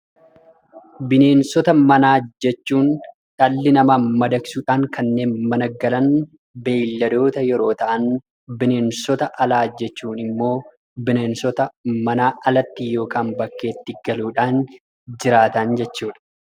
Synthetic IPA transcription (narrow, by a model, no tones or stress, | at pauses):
bɪne̞ːnsɔt̪ɐmɐnaːd͡ʒɛt͡ʃːuːn | t̪ɐlːɪnɐmamɐd̪ɐksuːᶑaːŋkɐnːe̞ːnmɐnɐɡɐlɐn | beːlːɐd̪o̞ːt̪ɐjɛɾo̞ːt̪ɐʔɐn | bɪne̞ːnsɔt̪ɐʔɐlaːd͡ʒɛt͡ʃːuːnɪmːo̞ː | bɪneːnsɔt̪ɐmɐnaːʔɐlɐt̪ːijo̞ːkaːnbɐkːe̞ːt̪ːɪɡɐluːᶑaːn | d͡ʒɪɾaːt̪ɐnd͡ʒɛt͡ʃːuːᶑɐ̥